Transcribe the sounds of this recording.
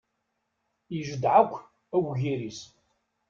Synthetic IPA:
jiʒəd̪ʕakʷː | æwʝiɾis

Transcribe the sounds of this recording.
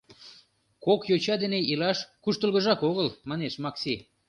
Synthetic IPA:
kokjot͡ɕɑd̪eneilɑʃkuʃt̪əlˠɣəʒɑkoɣəlmɑneʃmɑksi

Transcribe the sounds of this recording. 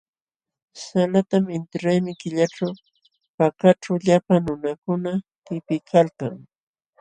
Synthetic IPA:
salat̪amɪnt̪ɪɾajmɪkɪʎaʈ͡ʂaw | pakaʈ͡ʂawʎapaŋnʊnakʊnat̪ɪpɪkʰalkaŋ

